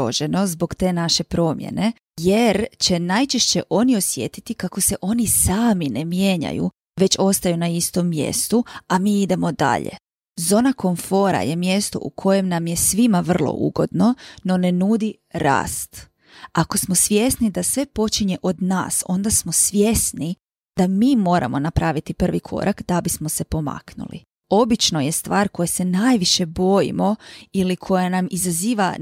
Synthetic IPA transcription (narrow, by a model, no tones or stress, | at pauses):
o̰ʒe̞no̞zbo̞kt̪e̞ːnaʃe̞pɾo̞ːmjḛne̞ | jeɾt͡ɕe̞najt͡ʃeʃt͡ɕe̞ʔo̞nio̞sje̞t̪it̪ikako̞se̞ʔo̞nisaːmine̞mjeɲa̰jṵ | ʋe̞t͡ɕo̞st̪ajunaist̪o̞mːje̞̰st̪uamiːid̪e̞mo̞d̪a̰ʎḛ | zo̞ːnako̞ɱfo̞ɾa̰je̞mje̞st̪o̞̰ʔukʰo̞je̞mnamje̞sʋimaʋr̩lˠo̰ʔṵɡo̞̰d̪no̞no̞nenuːd̪i | ɾa̰ːst̪ | ako̞smo̞sʋje̞snid̪asʋe̞po̞t͡ʃiɲe̞ʔo̞d̪na̰ːso̞̰nd̪asmo̞sʋjesni | d̪̥amiːmo̞ːɾa̰mo̞napɾaʋit̪ipr̩ʋikʰo̞̰ɾʔakd̪abismose̞po̞ma̰knṵlḭ | o̞bit͡ʃno̞je̞st̪ʋaːɾko̞jese̞najʋiʃe̞bo̞jḭmo̞ilikʰo̞janamizaziːʋa